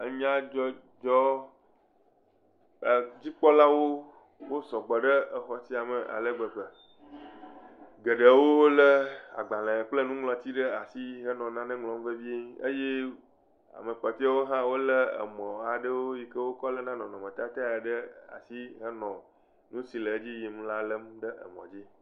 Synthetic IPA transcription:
ə˦ɲĩ˦ã˦d͡ʒɔ˦ | d͡ʒɔ˦˨ | d͡ʑi˦k͡pɔ˦la˦wo˦ | wo˦sɔ˨ɡ͡bɔ˨ɖə˦ʔə˨xɔ˨si˦a˨mə˨ʔa̰˨lə˦ɡ͡bə˨ɸə˨ | ɡə˨ɖə˨wo˦lə˦a̰˨ɡ͡ba˨lə̃˨k͡plə˦nũ˦ŋlɔ̃˨t̪i˦ɖə˦a˨si˦ɦə˦nɔ̃˨nã˦nɛ̃˦ŋlɔ̃˦m˦və˦vi˦e˦ə˦je˦ | a̰˨mə˨k͡pɔ˨t̪i˦a˦wo˦ɦã˦wo˦lə˦ə̰˨mɔ̃˨a˨ɖə˦wo˦ji˨kə˦wo˦kɔ˦lə˦nã˦nɔ̃˨nɔ̃˨mə̃˨t̪a˦t̪a˦˨a˨ɖə˦a̰˨si˦ɦə˦nɔ̃˨ | nũ˦si˨lə˨˦d͡ʑi˦ji˨m˦la˦lə˦mɖə˦ʔə̰˨mɔ̃˨d͡ʑi˦

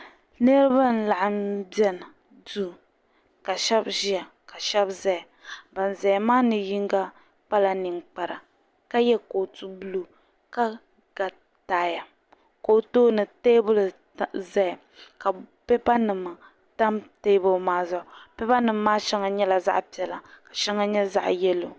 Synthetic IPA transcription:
nɛ˦ɾɨ˦ba˦n̩˦la˨ʔa˨mbɛ˦n˨ | du˦˨ | ka˨ʃɛ˦bʒi˦a˨ | ka˨ʃɛ˦bzɛ˦˨ | ba˨n˨zɛ˨jmaː˦nɨ˨ji˦ŋɡa˦ | k͡pa˦la˨nɨ˨ŋk͡pa˨ɾa˨ | ka˦jɛ˦koː˨tu˦bu˦lu˦ | ka˦ | ɡ̥a˨ | taː˦ja˨ | ko˨toː˦nɨ˨te˦bʊ˦l | zɛ˦˨ | ka˨pɛ˦ba˦nɨ˨mɨ˨ | ta˦mteː˦bʊ˦lmaː˦za˨ʊ˨pɛ˦ba˦nɨ˨mː˦aː˦ʃɛ˦ŋa˨ɲɛ˦la˨za̰˦ʔpi˨ɛ˨la˨ka˨ʃɛ˦ŋa˦ɲɛ˦za̰˦ʔjɛ˦lo˨

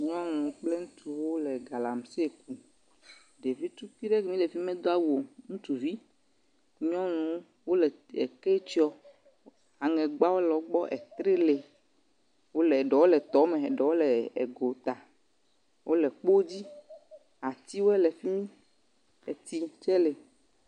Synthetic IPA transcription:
ɲɔ̃˦nũ˨˦k͡ple˦ŋũ˦t̪ʰu˨wo˦lɛ˨ɡa˨la˨m˨se˦˨ku˦ | ɖe˨vi˦t̪u˦fi˦ɖe˦ɡe˨mĩ˦le˨fi˦mɛ̃˦d̪o˦a˦wo˨ŋũ˦t̪u˨vi˦ | ɲɔ̃˦nũ˨˦ | wo˦lɛ˨e˨kɛ˦t͡ʃi˦ɔ˦ | a˨ŋɛ̃˨ɡ͡ba˦wo˦lɔ˨ɡ͡bɔ˦ʔɛ̰˨t̪ɾe˦le˨ | wo˦lɛ˨ɖɛ˨wo˦lɛ˨t̪ɔ˨˦mẽ˨ɖɔ˨wo˦lɛ˨ḛ˨ɡo˨t̪a˨ | wʔo˦lɛ˨k͡po˦d͡ʑi˦ | a˨t̪i˦wo˦ɛ˦le˨fi˦mĩ˦ | e˨t̪i˦t͡ʃɛ˦le˨

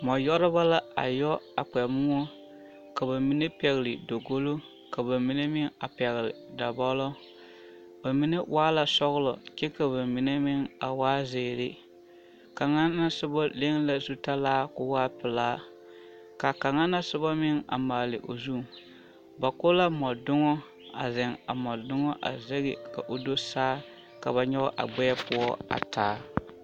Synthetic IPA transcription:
mɔ˨jɔ˦ɾɪ˦ba˦la˦a̰˨jɔ˦a˨k͡pɛ˨mʊ˦ŋo˦ | ka˨ba˨mi˦ne˦pɛ˨ɣɪ˨lɪ˨do˨ɡo˦lo˦ | ka˨ba˨mi˦ne˦mɪ˦ŋa̰˨pɛ˨ɣɪ˨lɪ̰˨da˨bɔ˦lɔ˦ | ba˨mi˦ne˦waː˦la˨sɔ˦ɣlɔ̰˨ke˦ka˨ba˨mi˨ne˦mɪ˦ŋa˨waː˦zeː˨ɾɪ˦ | ka˨ŋa˦nːa˦sɪ˦ba˦le˦ŋla˨zu˦ta˦laː˦kʊ˦waː˦pɪ˨laː˦ | ka˨ka˨ŋa˦na˦sɪ˦ba˦mɪ˦ŋa̰˨maː˨lɪ˨ʔo˨zu˦˨ | ba˨kʊ˦la˦mɔ˨dʊ˦ŋɔ˦ | a˨zɪ˨ŋa˨mɔ˨dʊ˦ŋɔ˦ʔa̰˨ze˦ɣɪ̰˨ka˨ʔo˦do˦saː˦ | ka˨βa˨ɲɛ˦ɔ˦ʔa̰˨ɡ͡bɛ˦pʊ˦ɔ˦a̰˨taː˨˦

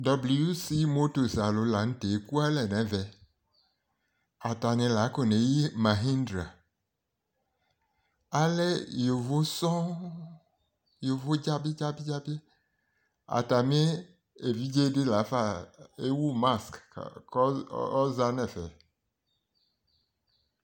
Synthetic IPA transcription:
dɔ˨bli˨ju˦si˦mo˦t̪o˨sa˨lo˨la˨ŋ̩̃˦t̪e˨ku˦a˦lɛ˨nɛ̃˨ve˨ | a˨t̪a˨nɛ̃˨la˨˦ko˨nẽ˨ji˦mã˨ɦi˦ndɾa̰˨ | a˨le˦jo˨vo˦sɔ̃˦ | jo˨vo˦d͡ʒa˦be˦d͡ʒa˦bi˦d͡ʒa˦be˦ | a̰˨t̪a˨mẽ˦ | e˨vi˦d͡ʒe˦ɖe˦la˨˦fa˦e˦wu˦ma˦skkɔ˦za˦nɛ̃˨fɛ̰˨

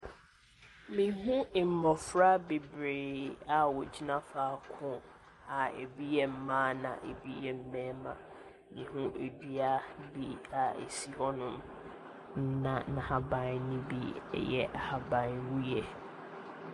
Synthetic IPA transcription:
mĩ˨ɦũ˦˨m̩˨mɔ˨fɾa˦be˨bɾeː˨a˨wɔ˨d͡ʑi˦nã˦faː˨˦kʰʊ̃˦ | a˨ḛ˨bi˦jɛ˨m̩˦mãː˦nã̰˨ʔe˨bi˦jɛ˨m̩˦mɛ̃ː˦mã˨ | mĩ˨ɦũ˦ʔe˨di˦a˦bi˦a˨ḛ˨si˦ɦɔ˦nʊ̃˦m | n̩˦nã̰˨nã˨ha˨bã˨nnĩ˦bḭ˦˨jɛ̰˦ʔa˨ha˨bã˨nwu˦jɛ˨

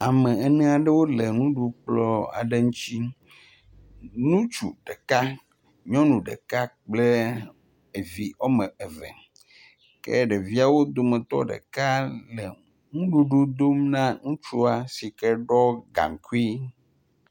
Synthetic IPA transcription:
a˨mɛ˨ɛ˦nɛ̃˦a˨ɖɛ˦wo˦le˨ŋũ˦ɖu˦k͡plɔ˦a̰˨ɖe˦ŋũ˦t͡ɕi˦ | nũ˦t͡ʃṵ˨ɖe˨ka˦ | ɲɔ̃˦nũ˨ɖḛ˨ka˦k͡ple˦ | e˨vi˨ɔ˦mɛ˨e˨vɛ̰˨ | kɛ̰˦ɖe˨vi˦a˨wo˦d̪o˦mẽ˨t̪ɔ̰˦ɖḛ˨ka˦le˨ | ŋũ˦ɖu˦ɖu˦d̪o˦mnã˦ŋũ˦t͡ʃu˦a˨si˨kɛ˦ɖɔ˦ɡa̰˨ŋ˨ku˦i˦

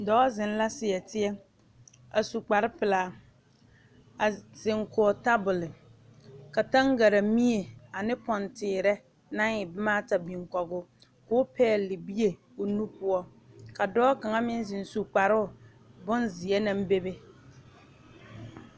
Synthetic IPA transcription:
dɔː˦zɪ˨n˦la˦sɪ˨ɛ˨tɪ˦ɛ˦ | a˨su˨k͡pa˨ɾɪ˦pɪ˨laː˨ | a˨z̥ɪ˨ŋkɔ˨ɔ˨ta˦bʊ˨lɪ˨ | ka˨ta˦ŋ˦ɡa˨ɾa˨mi˦e˨a˨nɪ˦pɔ˨ntɪː˨ɾɛ˦ | na˦ŋɪ˨bɪ˦maː˦ta˨bi˨ŋ˨kɔ˨ɡʊ˦ | kʊː˦pʰɛː˦˨lɪ˨bi˦e˨ | o˨nu˦pʊ˦ɔ˦ | ka˨dɔː˦ka˨ŋa˦mɪ˦n˦zɪ˨n˨su˨k͡pa˨ɾɪ˦ʊ˨ | bʊ˦nzɪ˨ɛ˦na˦m˦be˦be˦

